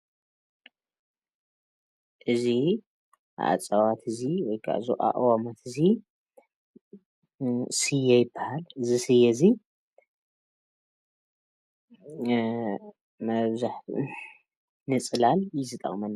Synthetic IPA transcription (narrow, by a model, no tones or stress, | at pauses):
ʔɨzḭ | ʔa̰t͡sʼɐwat̪ʰɨziwɔjkʰa̰ʔzuʔʼa̰ʔʼwamat̪ʰɨzi | sɨjɛjɪbːahalɨzisɨjɛɨzi | mɐβzaħ | nɨt͡sʼɨlaljɪzɨt̪ʼɐ̰χʼmɐn